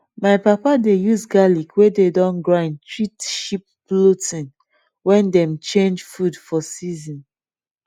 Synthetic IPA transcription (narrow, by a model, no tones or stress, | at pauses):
maɪpapadejuzɡalikwededɔ̃nɡɹãɪ̃ndtʰɹitʃip̚ːlotĩn | wɛ̃ndɛ̃mt͡ʃẽnd͡ʒfudfɔsizĩn